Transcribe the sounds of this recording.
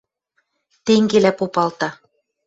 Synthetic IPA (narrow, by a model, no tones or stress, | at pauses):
t̪eŋɡelæpopɑlt̪ɑ